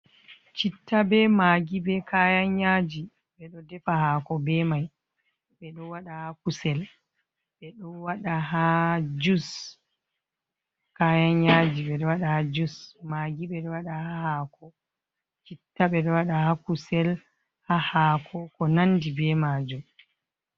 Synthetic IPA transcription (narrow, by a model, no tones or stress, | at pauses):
t͡ʃitːabɛmaɡibɛkʰajaɲad͡ʒi | ɓɛɗɔdɛfahakɔbɛmaj | ɓɛɗɔwaɗahakusɛl | ɓɛɗɔwaɗaɦad͡ʒus | kajaɲjad͡ʒiɓɛɗɔwaɗahad͡ʒusmaɡibɛɗɔwaɗahahakɔ | t͡ʃitːaɓɛɗɔwaɗahakusɛl | hahaːkʰɔkɔnandibɛmaːd͡ʒu